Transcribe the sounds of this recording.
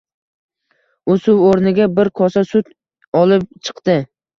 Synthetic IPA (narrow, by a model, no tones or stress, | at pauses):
ʊsʊwoɾnɪɡʲabɪɾqʰɒsasʊt̪ | ɒlˠɪp̚t͡ʃʰɨ̥qt̪ɪ